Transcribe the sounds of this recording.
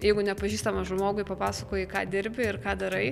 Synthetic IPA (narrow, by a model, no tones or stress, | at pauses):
jɛɪɡʊnʲɛpɐʒʲiːst̪ɐmɐʒmoːɡʊɪpɐpɑːsɐkoːjɪkɑːd̪ʲɪɾʲbʲɪɪrkɑːd̪ɐɾɐɪ